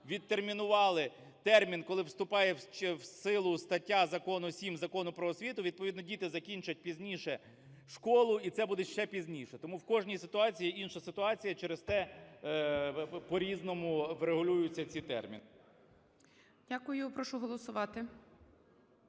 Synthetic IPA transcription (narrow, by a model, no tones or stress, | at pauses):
ʋʲid̪̚t̪ermʲinʊʋɑlˠɪ | t̪ɛrmʲinkɔlˠɪwst̪ʊpɑjɛt͡ʃwsɪlˠʊst̪ɐtʲːazɐkɔnʊsʲimzɐkɔnʊpɾɔːsʲʋʲit̪ʊʋʲid̪̚pɔʋʲid̪nɔdʲit̪ɪzɐkʲinʲt͡ʃɐt̚ʲpʲizʲnʲiʃɛ | ʃkɔlˠʊit̪sɛbud̪ɛʃt͡ʃɛpʲizʲnʲiʃɛt̪ɔmuwkɔʒnʲijsɪt̪ʊɑt͡sʲijiinʃɐsɪt̪ʊɑt͡sʲijɐt͡ʃeɾest̪ɛ | pɔɾʲiznɔmʊʋɾeɦʊlʲujʊt͡sʲːɐt͡sʲit̪ɛ̰rmʲḭn | dʲakʊjʊpɾɔʃʊɦɔlˠɔsʊʋɑt̪ɪ